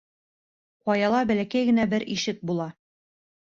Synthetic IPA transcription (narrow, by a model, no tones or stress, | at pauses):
qɒjɑlˠɑbælækæjɡɘ̆næbɘɾiʃɘk̚bulˠɑ